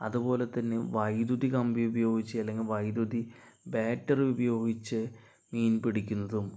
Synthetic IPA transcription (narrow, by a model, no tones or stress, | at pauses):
ɐ̰ðubo̞ːle̞t̪ːɐnːɨʋɐjd̪uðikɐmbiubɐjo̞ːɡit͡ɕːiɐlːe̞ŋɡilʋɐjd̪uði | beːtːɐrubɐjo̞ːɡit͡ɕːɨ | miːnpiɽikʲːunːɐðum